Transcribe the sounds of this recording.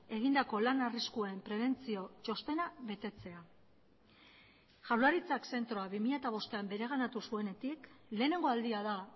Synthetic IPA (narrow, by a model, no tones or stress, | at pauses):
e̞ɣ̞ind̪ako̞lanariskuaempɾe̞β̞e̞nt͡sio̞t͡ʃo̞st̪e̞naβe̞t̪e̞t͡se̞a | ʝawlaɾit͡sakse̞nt̪ɾo̞aβimiʎaet̪aβ̞o̞st̪e̞ambe̞ɾe̞ɣ̞anat̪usue̞ne̞t̪ikle̞ːne̞ŋɡo̞ald̪iaða